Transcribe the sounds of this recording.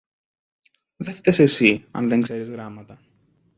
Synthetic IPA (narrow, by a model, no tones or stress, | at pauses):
ðeft̪ese̞siɐ̰nðeŋeɾizɣɾɐmɐt̪ɐ